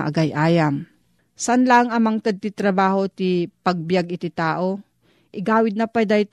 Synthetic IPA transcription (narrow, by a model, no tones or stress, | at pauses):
ʔɐ̰ɡajʔaːjam | saanlaŋɐmɐŋt̪ɐd̪̚t̪it̪ɾɐbaːɦot̪ipɐɡ̚bɪjaɡɪt̪ɪt̪aːʔo | ʔɪɡaːwɪd̪̚nɐpajd̪ajt̪